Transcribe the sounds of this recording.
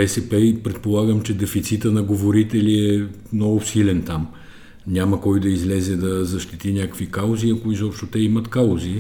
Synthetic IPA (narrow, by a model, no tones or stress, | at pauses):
ɛsɛpɛipɾɛt̪̚polˠaɡəmt͡ʃɛd̪ɛfit̪sit̪ənɐɡovoɾit̪ɛliɛmnɔɡʊsilɛnt̪am | nʲaməkɔjd̪ɐizlɛzɛd̪ɐzɐʃt̪it̪inʲakəkvikalˠziɐkoizɔpʃt̪ot̪ɛimət̪kalzi